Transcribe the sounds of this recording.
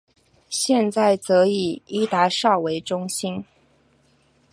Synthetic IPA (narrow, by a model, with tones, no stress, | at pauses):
ɕjɛ˥˧nt͡sa˥˩ɪt͡sɤ˧˥i˨˩i˥t̪a˧˥ʂɑ˥˩ʊwe˧˥ɪʈ͡ʂʊ˥ŋɕi˥n